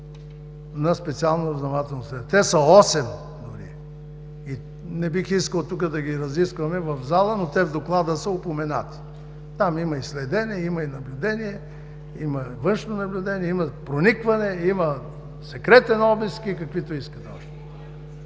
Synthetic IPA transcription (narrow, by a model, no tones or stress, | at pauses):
nɐspɛt̪sialˠnoɾɐznɐmat̪ɛlˠnosɛt̪ɛsəɔsɛm | d̪ʊɾḭː | nɛbixiskəlˠt̪uk̬əd̪ɐɡiɾɐziskvɐmɛvɐvzalˠənot̪ɛvd̪oklˠad̪əsəʊpomɛna̰t̪i̥ | t̪amimɐislɛd̪ɛniɛimɐinɐblʲʊd̪ɛniɛ | imɐvɤnʃnonɐblʲʊd̪ɛniɛimɐpɾonikvɐnɛimɐ | sɛkɾɛt̪ɛnɔbiskikɐkvit̪oiskəd̪ɛɔʃt̪ɛ̥